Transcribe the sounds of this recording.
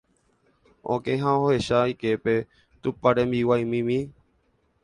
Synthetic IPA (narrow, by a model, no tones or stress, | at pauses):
õ̰kẽɦãoɦohe̞ʃaike̞pe̞ | t̪upaɾẽmbiwajmĩmĩ